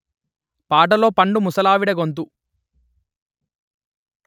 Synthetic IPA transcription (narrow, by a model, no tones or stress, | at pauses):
paːʈ̬ɐlo̞ːpɐɳɖumusɐlaːʋiɽɐɡont̪̬u